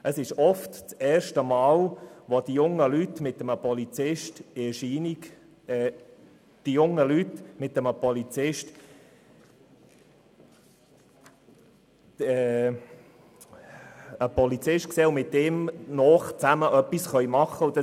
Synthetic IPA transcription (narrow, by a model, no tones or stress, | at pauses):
ʔəsɪʃɔftt͡sɛːɾʃtəmɑːlʋod̥̪ijʊŋːəlytmɪt̪ːəməpɔlit͡sɪʃtɪʃiːnik | ɛ | d̥ijʊŋːəlytmɪt̪ːəməpɔlit͡sɪʃt | ɛ | əpɔlit͡sɪʃtkseːʊmɪtdemnɔːχt͡sæməʔœpːisχœʏmɑχːəʊd̪ə